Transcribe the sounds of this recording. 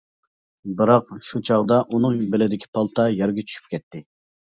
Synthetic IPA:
bɨɾɑq̚ʃut͡ʃʰɑʁd̪ɑʔunɨŋbɪlɪd̪ɪkʲʰi̥pʰɑlˠt̪ʰɑjɛɾɡʲet͡ʃʰy̥ʃy̥p̚kʲʰɛt̪ʰːɪ

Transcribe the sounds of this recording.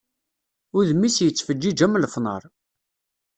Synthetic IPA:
ʊðmisjət͡sːfəd͡ʒːid͡ʒæmlfnə̰ɾˤ

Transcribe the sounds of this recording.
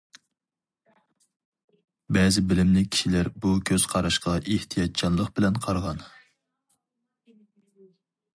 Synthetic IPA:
bɛːzɪbɪlɪmlɪkʲʰi̥ʃilæɾbukʲʰøz̥qʰɑɾɑʃqɑʔeht̪ʰijɑt̪̚t͡ʃʰɑnlˠəqb̥ɪlɛnqʰɑɾʁɑn

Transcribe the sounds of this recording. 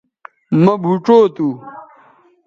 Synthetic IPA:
mɐbʱuʈ͡ʂoːt̪u

